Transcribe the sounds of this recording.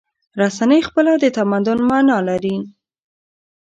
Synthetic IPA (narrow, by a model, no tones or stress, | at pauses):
ɾasanəjxpəlad̪ət̪amand̪ʊnmɑnɑlaɾi